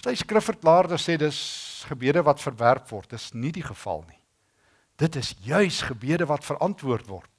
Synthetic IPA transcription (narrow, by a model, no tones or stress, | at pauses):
səjskrəfərklɑːrdəseːdəsχəbiədəvɐtfərværpvɔrt̚dəsnidiχəfɐ̰lˠni | d̥ətəsjœɥsχəbiədəvɐtfəɾʔɐntvuərtvɔ̰rt